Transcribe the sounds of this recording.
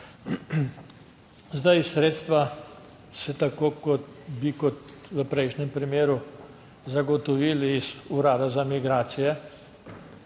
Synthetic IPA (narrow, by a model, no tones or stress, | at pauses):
zd̪ajsɾeːt̪st̪ʋa | sɛt̪akoːkɔt̪bikɔt̪ʋəpɾɛjʃnɛmpɾimeːɾu | zaɡɔt̪ɔʋiːlizuɾaːd̪azamiɡɾaːt̪sijɛ